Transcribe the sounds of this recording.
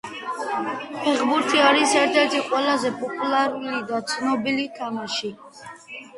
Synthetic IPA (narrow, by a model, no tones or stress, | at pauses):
pʰɛχbuɾt̪ʰiaɾisɛɾt̪ʰɛɾt̪ʰiqʼwɛlazɛpʰɔpʼulaɾulid̪at̪sʰnɔbilik̪ʰamaʃi